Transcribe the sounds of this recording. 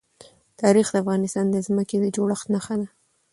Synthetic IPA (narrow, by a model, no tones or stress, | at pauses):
t̪ɑɾixd̪əafɣɑnɪst̪ɑnd̪əzməked̪əd͡ʒoɽəxt̪naxad̪a